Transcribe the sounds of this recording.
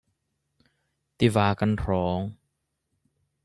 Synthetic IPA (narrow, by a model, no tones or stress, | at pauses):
t̪ivaːkant̪ʰɾɔːŋ